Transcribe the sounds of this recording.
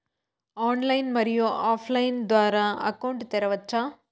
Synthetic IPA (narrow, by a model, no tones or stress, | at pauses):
aːnlɐjnmɐɾɪjoːʔaːfʰlɐjnd̪ʋaːɾaɐ̰kɐwɳɖt̪ɛɾɐʋɐt͡ʃːaː